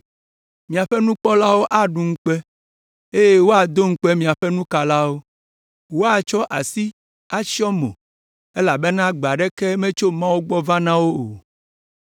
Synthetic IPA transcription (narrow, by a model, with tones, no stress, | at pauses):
mĩ˨a˨ɸɛ˦nũ˦k͡pɔ˦la˦wo˦ʔa˦ɖu˨ŋ̩˦k͡pɛ˦ | e˦je˦wo˦a˨d̪o˦ŋ̩˦k͡pɛ˦mĩ˨a˨ɸɛ˦nũ˦ka˨la˦wo˦ | wo˦a˨t͡ʃɔ˦ʔa˨si˦ | a˦si˦ɔ˦mõ̰˨ | e˦la˨bɛ˦nã˦ɡ͡ba˨ɖɛ˦kɛ˦mẽ˦t͡ʃo˦mã˦wo˦ɡ͡bɔ˦vã˦nã˦wo˦o˨